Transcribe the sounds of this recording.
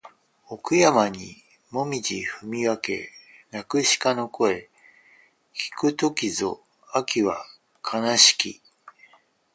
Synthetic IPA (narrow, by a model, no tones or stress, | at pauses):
okɯ̟jamaɲ̟i | mo̞mʲid͡ʑiɸɯ̟mʲiβake̞̰nakɯ̟ɕi̥kano̞ko̞e̞ | kʲi̥kɯ̟t̪o̞kʲizo̞̰ | akʲiβa | kʰanaɕi̥kʲḭ